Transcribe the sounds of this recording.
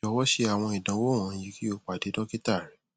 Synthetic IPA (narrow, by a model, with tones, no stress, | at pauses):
ɔ˧˦wɔ˦ʃe˧˦a˨w̃ɔ̃˧i˨dã˨˦wo˦˨w̃ã˨˧˦ji˨˦ki˦o˦˨k͡pa˨de˨˦dɔ̃˦ki˦ta˦˨ɾĩ˨˦